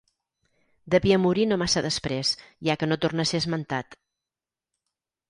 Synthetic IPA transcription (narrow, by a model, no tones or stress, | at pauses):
d̪əβiəmuɾinomasəðəspɾesʒakənot̪urnəsezmənt̪at̪